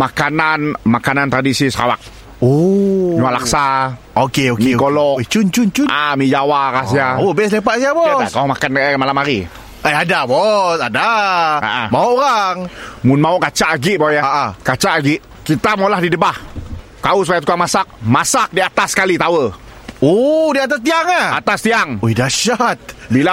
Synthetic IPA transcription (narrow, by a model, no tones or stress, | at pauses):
makananmakanant̪ɾadisisəka̰wa̰k̚ | oɲuaʔlaksa | okeomikolɔt͡ʃunt͡ʃʊnt͡ʃunaʔamid͡ʒawaɾas̬iaobɛs̬lepaʔsiabɔakaamakanamalamaɾi | əadabɔsadaa̰ʔamauʔoɾaŋmʊnmauʔkat͡ʃaʔaɡiʔbajakat͡ʃaʔaɡiʔ | kit̪amaoulahdidəbah | t̪ausupajat̪u̥kaŋmasak̚masak̚diat̪askalit̪awə | odiat̪ast̪iaŋahat̪ast̪iaŋoidaʃat̪̚bila